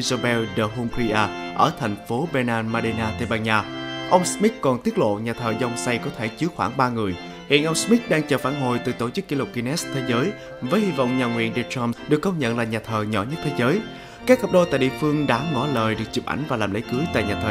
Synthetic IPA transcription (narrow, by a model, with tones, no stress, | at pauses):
i˧zo˧ɓɛ˧wɗə˨˩ɦu˧mɾi˧ʔaː˧ʔəː˧˩t̪ʰɛ˨˩jŋ̟fo˨˦ɓɛ˧naː˧nmaː˧ɗi˧naː˧t̪e˧ɓaː˧ɲaː˧ʔə˧wŋ͡msmi˦˥t̚kɔ˨˩nt̪i˦˥ət̚lo̰˧˨ɲaː˨˩t̪ʰəː˨˩zɔ˧wŋ͡msa˧jkɔ˨˦t̪ʰe˧˩t͡ɕɨ˨˦əxwaː˧˩ŋɓaː˧ŋɨ˨˩əj | hḭ˧˨ənʔə˧wŋ͡msmi˦˥t̚ɗaː˧ŋt͡ɕəː˨˩faː˧˩nɦo̰˨˩jt̪ɨ̰˨˩t̪o˧˩t͡ɕɨ˦˥kːi˧˩lʊ˨˩k͡p̚ki˧nɛ˦˥t̪ʰe˨˦zəː˨˦j | vəː˨˦jhi˧va̰˧˨wŋ͡mɲaː˨˩ŋwḭ˧˨ənɗi˧˨t͡ɕɔ˧mɗɨ˨˩əkːə˧wŋ͡mɲə̰˧˨nlaː˨˩ɲaː˨˩t̪ʰəː˨˩ɲɔ˧˩ɲə˦˥t̚t̪ʰe˨˦jzəː˨˦j | kaː˦˥k̚hə˨˩p̚ɗo˧˩t̪a̰ː˧˨jɗḭ˧ə˨fɨ˧əŋɗa̰ː˧˥ŋɔ˧˥˦ləː˨˩jɗɨ˨˩ək̚t͡ɕi˨˩p̚ʔa̰˧˩jŋ̟vaː˨˩laː˨˩mlə̰˧˦jkɨ˨˦jt̪a̰ː˧˨jɲaː˨˩t̪ʰəː˨˩